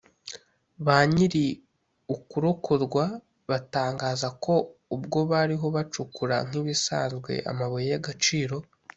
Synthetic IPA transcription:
βaːɲiɾi | ukuɾokʰoɾɡwa | βataːŋɡaːzako̞ubɡo̞βaɾiɦo̞βat͡ʃukuɾa̰ŋ̥iβisa̰ːnzɡwe̞̰ʔa̰maβojejaɡat͡ʃiːɾo̞

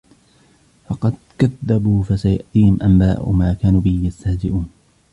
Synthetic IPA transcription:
fɑqɑd̪̚kaðːabuːfasajʊ̰ʔt̪iːhɪmʔambaːʔʊ̰maːkaːnuːbɪhɪjast̪ahd͡ʒɪʔuːn

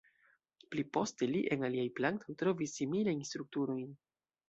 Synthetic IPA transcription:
plipo̞ste̞liʔenaliajplant̪ʰo̞jtɾo̞visːimilajnst̪ɾuk̚tuɾo̞jn

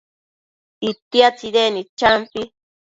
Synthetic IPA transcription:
it̪jat͡sidenit͡ʃampi

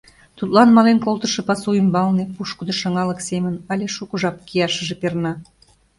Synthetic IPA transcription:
t̪ut̪lɑnmɑlenkolt̪əʃɤ̆pɑsuimbɑlnepuʃkəd̪oʃɑŋɑləksemənɑlʲeʃukəʒɑp̚kiɑʃə̆ʒepernɑ

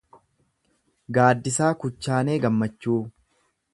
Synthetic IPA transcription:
ɡaːd̪ːɪsaːkʊt͡ʃːaːne̞ːɡɐmːɐt͡ʃːuː

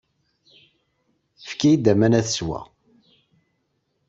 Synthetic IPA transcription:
fkijid̪æmænæθəswæ̰

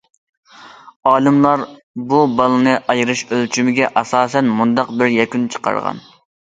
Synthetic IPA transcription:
ɑːlˠɨmlˠɑɾ | bubɑlˠɨnɨʔɑjɾɨʃølt͡ʃʰymɪɡʲɛʔɑsɑːsɛnmund̪ɑqbɪɾjɛkʲynt͡ʃʰə̥qɑ̰ɾʁɑ̰n

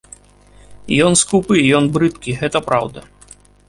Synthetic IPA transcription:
jɔnskupɨjɔnbɾɨt̪kʲiɣɛt̪ɐpɾawd̪ɐ̰

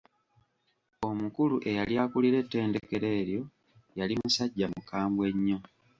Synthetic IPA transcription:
o̞mukuluʔe̞jaljaːkuliɾe̞tːe̞ːndeke̞ɾe̞ːɾjo̞ | jalimusaɟːamukaːmbwe̞ɲːo̞

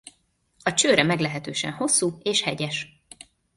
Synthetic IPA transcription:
ɒt͡ʃøːɾɛmɛɡlɛɦɛt̪øːʃɛ̰nho̞sːuːeːʃhɛɟɛʃ

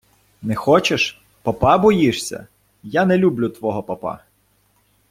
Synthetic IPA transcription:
nɛxɔt͡ʃeʃ | pɐpɑbɔjiʃsʲɐ̰ | janɛlʲublʲʊt̪ʋɔɦɔpɐpɑ̰

